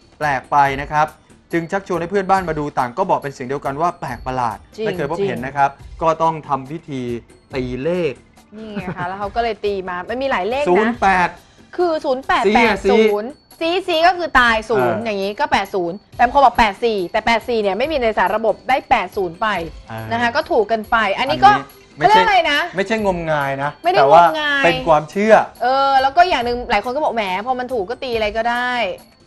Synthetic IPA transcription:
plɛː˨˩k̚pa˧jna˦˥kʰa˦˥p̚t͡ɕɯ˧ŋt͡ɕʰa˦˥k̚t͡ɕʰu˧nha˥˩pʰɯ˥˩ənbaː˥˩nmaː˧duː˧t̪aː˨˩ŋkɔː˥˩bɔː˨˩k̚pe˧nsi˨˩ŋdi˧əwka˧nwaː˥˩plɛː˨˩k̚pa˧la̰ː˨˩t̪̚t͡ɕia˥˩kɤː˧pʰo˦˥phe˩˦nːa˦˥kʰa˦˥p̚kɔː˥˩t̪ɔ˥˩ŋt̪ʰa˧mpʰi˦˥˩t̪ʰiː˧ | t̪iː˧leː˥˩k̚ | ni˥˩ŋa˥˩kʰa˦˥lːwkʰwkɔː˥˩lɤː˧jt̪iː˧maː˧ma˧nmiː˧laː˩˦jleː˥˩ksuːn˩˦n˥pɛː˨˩t̪̚ | kʰɯː˧suː˨˩˦npɛː˨˩pa˩ssuː˦˨˦n | siː˦˥siː˦˥kɔː˥˩kʰɯː˧t̪aː˧jsuː˩˦njaː˨˩ŋːiː˦˥kɔː˥˩pɛː˨˩t̪̚suː˩˦nt̪ɛː˨˩˧o˧bɔː˨˩k̚pɛː˨˩t̪̚siː˨˩t̪ɛː˨˩pɛː˨˩t̪̚siː˨˩ni˧˩əma˥˩jmiː˧na˧a˧saː˨˩˦nɾa˧bo˨˩p̚daː˥˩jpɛː˨˩t̪̚suː˩˦npa˧jna˦˥kʰa˦˥kɔː˥˩t̪ʰuː˨˩kːa˧npa˧jʔa˧nːiː˦˥kɔː˥˩˦ | ma˥˩˥a˧jna˦˥ma˥˩jt͡ɕʰa˥˩jŋo˧mŋaː˧jna˦˥ma˥˩jda˥˩ŋowŋaː˧pe˧jkʰwaː˧mt͡ɕʰɯ˥˩ɐʔɤː˧lɛː˦˥wkɔː˥˩jaː˨˩ŋnɯ˧ŋlaː˨˦jko˧nkɔ˥˩ɔ˨˩mɛː˩˦pʰɔ˧˦˥ma˧nt̪ʰuː˨˩k̚ːɔː˥˩t̪iː˧ʔa˧ɾa˧jkɔː˥˩daː˥˩j

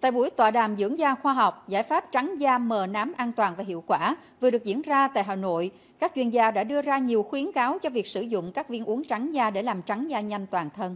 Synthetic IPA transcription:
t̪a̰ː˧˨jɓu˧˩əjt̪waː˧˨˩ɗaː˨˩mzɨ̰˧˥əŋzaː˧xwaː˧ɦa˨˩wk͡p̚zaː˧˥jfaː˦˥p̚t͡ɕa˨˦ŋzaː˧məː˨˩naː˨˦mʔaː˧nt̪waː˨˩nvaː˨˩ɦḭ˧˨əwkwaː˧˩vɨ˨˩əɗɨ˨˩ək̚zḭ˧˥ənzaː˧t̪a̰ː˧˨jɦaː˨˩no̰˧˨j | kaː˦˥k̚t͡ɕwi˧˩ənzaː˧ɗa̰ː˧˥ɗɨ˧əzaː˧ɲi˨˩əwxwi˨˦ənkaː˨˦wt͡ɕɔ˧vi˨˩ək̚sɨ˧˩zʊ̰˧˨ŋ͡mkaː˦˥k̚vi˧ənʔu˨˦əŋt͡ɕa˨˦ŋzaː˧ɗe˧˩laː˨˩mt͡ɕa˨˦ŋzaː˧ɲa˧jŋ̟t̪waː˨˩nt̪ʰə˧n

